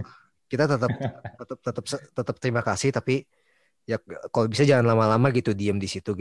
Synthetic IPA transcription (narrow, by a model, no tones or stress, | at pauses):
kit̪at̪ət̪əp̚t̪ət̪əp̚t̪ət̪əp̚sət̪ət̪əp̚t̪əɾimakasɪht̪api | jak̚kalobisad͡ʒaŋanlamalamaɡit̪udiəmdisit̪uɡ